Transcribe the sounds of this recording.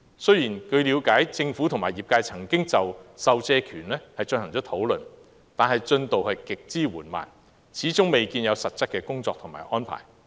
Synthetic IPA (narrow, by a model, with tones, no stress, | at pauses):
sɵ˥ɥjiː˨˩nkʰɵ˨˧ɥliː˨˧wkaː˨˥jt͡sɪ˧ŋfuː˨˥t̪ʰʊ˨˩maː˨˩jiː˨p̚kaː˧jt͡sʰɐ˨˩ŋkɪ˥ŋt͡sɐ˨wsɐ˨wt͡sɛː˧kʰyː˨˩nlɛː˥hɐ˨jt͡ʃɵ˧nhɐ˨˩ŋt͡sɔː˨˥t̪ʰo˨˥wlɵ˨˩n | t̪aː˨nhɐ˨jt͡ʃɵ˧nt̪o˨whɐ˨jkɪ˨k̚t͡siː˥wuː˨˩nma̰ː˨˩n | t͡sʰiː˨˥t͡sʊ˥ŋme˨jkiː˧njɐ˨˧wsɐ˨t̚t͡sɐ˥t̚kːɛː˧kʊ˥ŋt͡sɔː˧k̚t̪ʰʊ˨˩ŋma̰ː˨˩jʔɔː˥npʰa̰ː˨˩j